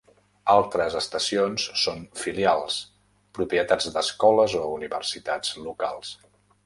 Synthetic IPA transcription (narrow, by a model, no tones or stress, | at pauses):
alˠt̪ɾəzəst̪əsionsːonfilialˠs | pɾupiət̪ad͡zd̪əskɔləzouniβəɾsit̪ad͡zlukalˠs